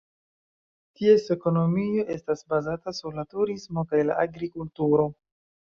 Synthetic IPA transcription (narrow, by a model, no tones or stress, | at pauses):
tie̞se̞ko̞no̞mio̞ʔe̞stasbazatasuɾlatuɾismo̞kajla̰ʔaɡɾikultuɾo̞